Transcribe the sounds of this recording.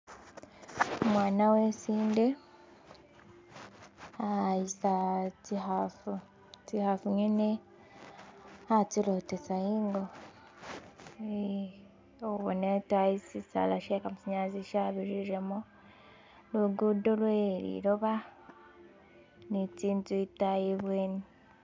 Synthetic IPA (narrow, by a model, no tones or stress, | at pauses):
omwaːnawesiːnde | ajisatiɦafu | tihafuɲine | atilotesaiːŋɡo | e | oβonetajisisa̰laʃekamusiɲaziʃaβiɾiʒemu | luɡudolweɾḭɾoβa | niciːntuitajeβweːni